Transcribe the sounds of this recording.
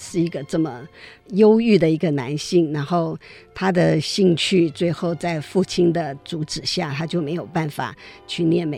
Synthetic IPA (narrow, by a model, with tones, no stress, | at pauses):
ʂɻ̩˥˩i˧˥ɡə˧ʈ͡ʂɤ˥˩mə˩jo˥ʊy˥˩d̪ə˩i˧˥ɡə˧na˧˥nɕi˥˩ŋna˧˥nxo˥˩ʊt̪ʰa˥d̪ə˨ɕi˥˧ŋt͡ɕʰy˥˧t͡swe˥˧ɪxo˥˧ʊt͡sa˥˧ɪfu˥˩t͡ɕʰi˥nd̪ə˨t͡su˧˥ʈ͡ʂɻ̩˨˩ɕja˥˩t̪ʰa˥t͡ɕjo˥˩me˧˥ɪjo˨˩ʊpa˥˩nfa̰˨˩t͡ɕʰy˥˧njɛ˥˩nme˨˧